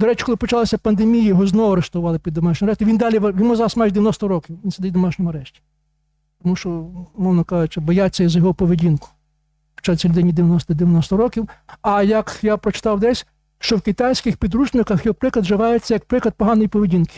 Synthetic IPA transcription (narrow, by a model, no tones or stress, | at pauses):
d̪ɔɾɛt͡ʃʲi̥kɔlˠɪpɔt͡ʃlˠasʲɐpɐnd̪emʲijɐjɔɦɔznɔɐɾeʃt̪ʊʋʊʋɑlˠɪpʲid̪ːɔmɑʃnʲɔmɐɾɛʃt̪iʋind̪ɑlʲiʋʋinmuɔzɑɾɐsmajɪd̪eʋʲjɪnɔst̪ɔɾɔkʲiwʋʲinsed̪ɪwʲd̪ɔmɑʃnʲɔmʊɐɾɛʃtʲi̥ | t̪ɔmuʃt͡ʃɔmɔwnɔkɑʒʊt͡ʃɪbɔjat͡sʲːɐizɐjɔɦɔpɔʋedʲinkʊ̥ | xt͡ʃɔt͡sʲilʲʊd̪ɪnʲːid̪eʋjɐnɔst̪d̪eɪʋʲjɐnɔst̪ɔɾɔkʲiwɐjɐkjapɾɔt͡ʃɪ̥t̪ɑwd̪ɛsʲ | ʃt͡ʃɔwkɪt̪ɑjsʲkɪxpʲid̪ɾut͡ʃnɪkɐxjɔɦɔpɾɪklˠɐd̪ʒɪʋɑjet͡sʲːɐjɐk̚pɾɪklˠɐd̪̚pɔɦɑnɔjipɔʋʲedʲinkɪ̥